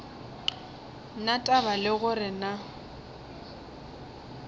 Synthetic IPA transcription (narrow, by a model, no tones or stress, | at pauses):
natʼabalɪɣʊrɪna